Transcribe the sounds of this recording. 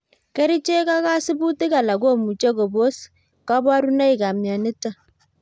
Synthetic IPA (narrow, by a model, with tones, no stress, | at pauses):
ke˦ɾi˦t͡ʃe˦ka˦ka˦sɪ˦bu˦ti˦ka˨la˨ɡo˦mu˨t͡ʃe˦ko˨bo˦s | ka˦ba˦ɾu˦na˦i˨ka˨mja˨nɪ˦ta˦˨